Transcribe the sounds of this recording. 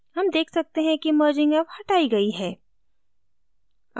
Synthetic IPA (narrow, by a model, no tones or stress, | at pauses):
hɐmd̪eːkʰsɐk̚t̪eɦɛ̃kiməːɾd͡ʒɪ̃ŋɡɐbhɐʈaːiɡɐiɦɛː